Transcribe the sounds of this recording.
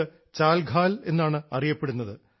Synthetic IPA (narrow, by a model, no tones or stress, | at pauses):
ɨ | t͡ɕaːlɡʱaːle̞nːaːɳɨɐrijɐpːe̞ɽunːɐðɨ